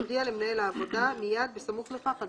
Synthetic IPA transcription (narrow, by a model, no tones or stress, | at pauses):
d̪ialemnajelaːvod̪amijaːd̪̚besamuχlefaqa